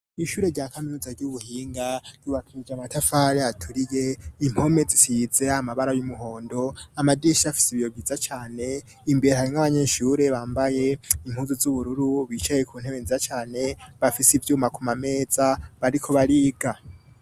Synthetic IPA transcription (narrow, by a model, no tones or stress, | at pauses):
iʃuːɾeɾɟaːkaminuːzaɾɟuβuhiːŋɡaj̥uβakʰid͡ʒamatʰafaɾeatʰuɾije̞im̥ho̞me̞d͡zisizeamaβaɾajumuɦo̞ːndo̞amadiʃafi̥siβijobɡizat͡ʃaːne̞ | imbeɾehaɾiŋaβaɲeːʃuːɾe̞βaːmbaje̞im̥huːnzuzuβuɾuɾuβit͡ʃajekʰuːn̥heβenziat͡ʃaːne̞βafisivjumakumame̞ːz̥aβaɾikʰo̞βaɾiːɡa